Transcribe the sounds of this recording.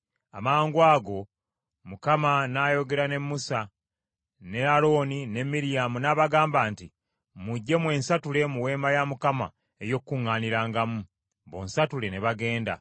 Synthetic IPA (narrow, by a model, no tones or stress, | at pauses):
a̰maːŋɡwaːɡo̞ | mukamanaːjo̞ɡe̞ɾane̞mːusa | ne̞aɾo̞ːnine̞mːiɾijamunaβaɡaːmbaːnti | muɟːe̞mwe̞ːnsatule̞muwe̞ːmbajamukama̰ | ejo̞kːuŋːaːniɾaːŋɡamu | βo̞̰ːnsatule̞neβaɡe̞ːnda̰